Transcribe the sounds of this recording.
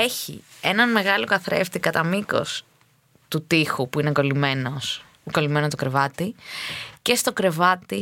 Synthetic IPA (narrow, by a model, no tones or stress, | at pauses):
e̞çḭe̞nɐnme̞ɣɐlokɐθɾe̞̰ft̪ikɐt̪ɐmiko̞̰s | t̪ut̪ixupuinekolimenos | kolime̞not̪okɾe̞vɐt̪i | ce̞st̪o̞kɾe̞vɐt̪i